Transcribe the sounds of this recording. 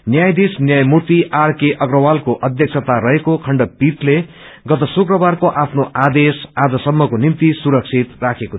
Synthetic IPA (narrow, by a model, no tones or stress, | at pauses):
njajd̪isnjajmurt̪iʔarkeʔʌɡrʌwalkoʔʌd̪ʱjʌk̚sʰʌt̪aɾʌɦekokʰʌɳɖʌpit̪le | ɡʌt̪ʌsukrʌbarkoʔapʰnoʔad̪esad͡zʌsʌmːʌkonimt̪isuɾʌk̚t͡sʰit̪rakʰeko